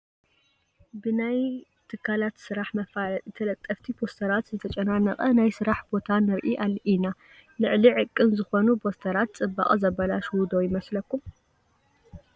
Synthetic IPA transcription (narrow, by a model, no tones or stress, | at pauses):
bɨnaj | t̪ʰɨkʰːalat̪sɨɾaħmɐfat̪ʰɐlɐt̪ʼːɐft̪ʰipʰo̞st̪ʰɐɾat̪zɨt̪ʰɐt͡ʃʼɐnanɐχʼɐnajsɨɾaħbo̞t̪ʰanɨɾʔiʔalːʔina | lɨʕliʕɨkʼːɨnzɨxo̞nubo̞st̪ʰɐɾat̪̚t͡sʼɨbːa̰χʼzɐbɐlaʃwud̪ojɪmɐslɐkːum